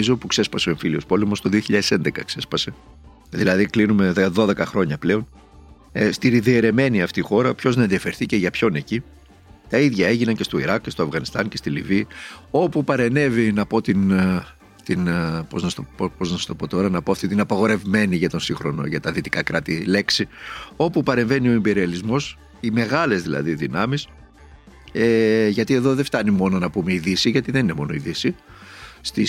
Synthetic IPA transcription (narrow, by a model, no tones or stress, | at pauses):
izo̞pukse̞spɐseoeɱfilio̞spo̞lemo̞st̪o̞ðio̞çiʎɐðese̞nd̪e̞kɐkse̞spɐse̞ | ðilɐðiklinume̞ðeðo̞ðe̞kɐxɾo̞ɲɐple̞o̞n | est̪iɾiðieɾe̞me̞niɐft̪ixo̞ɾɐpço̞znɐenðiɐfe̞ɾθice̞ʝɐpço̞neci | t̪ɐiðʝɐe̞ʝinɐɲce̞st̪o̞iɾɐkcːe̞st̪o̞ɐvɣɐnist̪ɐnce̞st̪iliviːo̞pupɐɾe̞ne̞vinɐpo̞t̪in | t̪inpo̞znɐst̪oopo̞znɐst̪o̞po̞t̪o̞ɾɐnɐpoɐft̪it̪inɐpɐɣo̞ɾe̞vme̞niʝɐt̪o̞nsixɾono̞̰ʝɐt̪ɐðit̪i̥kɐkɾɐt̪ile̞ksio̞pupɐɾe̞ɱve̞nio̞imbe̞ɾiɐlizmo̞s | ime̞ɣɐle̞zðilɐ̰ðiðinɐmis | eʝɐt̪ie̞ðo̞ðeft̪ɐnimo̞no̞nɐpumeiðisiʝɐt̪iðenine̞mo̞no̞iðisi | st̪i